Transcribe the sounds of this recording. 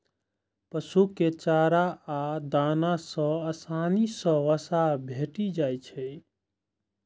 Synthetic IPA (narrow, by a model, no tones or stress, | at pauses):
pəsuket͡ʃaɾaad̪anasə̃əsanisə̃ʋəsabʱeʈid͡ʒajt͡ʃʰɛj